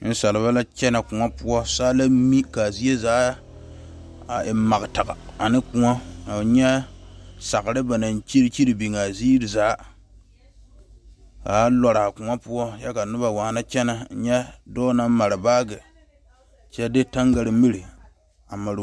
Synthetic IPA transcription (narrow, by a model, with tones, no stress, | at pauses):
n̩˦sa˨lɪ˨βa˦la˦t͡ʃɛ˦na˨kʊ˨ŋa˦pʊ˦ɔ˦saː˦la˦mi˦ka˨zi˦e˦zaː˨˦ | a˨ɪ˨˦ma˨ɡɨ˨ta˨ɡa˨a˨nɪ˦ku˨ŋa˦a˨ɲɛ˦ | sa˨ɣɾɨ˦ba˨na˨nt͡ʃi˦ɾt͡ʃi˦ɾi˨bi˨ŋa˨ziː˦ɾzaː˨˦ | kaː˨˦lɔ˨ɾa˨kʊ˨ŋa˦pʊ˦ɔ˦jɛ˦ka˨nʊ˦ba˨wa˨˦na˦t͡ʃɛ˦na˨˦ɲɛ˦dɔː˦na˦m˦ma˨ɾɨ˨baː˦ɡɪ˨ | t͡ʃɛ˦dɪ˦ta˦ŋɡa˨ɾɨ˨mi˦ɾi˨ | a˨ma˨ɾ